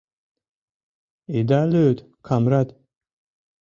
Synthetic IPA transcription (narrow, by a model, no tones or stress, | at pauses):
id̪aløːt̪ | kʰamɾat̪